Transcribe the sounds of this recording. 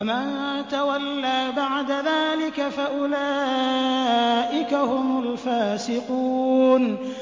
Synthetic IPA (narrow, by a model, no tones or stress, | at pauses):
ma | t̪awalːaːbaʕd̪aðaːlɪkafaʔʊlaː | ʔɪkahʊmʊlfaːsɪquːn